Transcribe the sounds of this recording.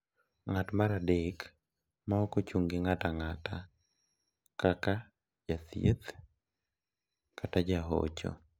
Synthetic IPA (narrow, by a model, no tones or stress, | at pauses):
ŋatmaɾadek | maɔkot͡ʃuŋɡɪŋataŋata | kaka | d͡ʒat̪jet̪ | katad͡ʒaɦo̰t͡ʃɔ̰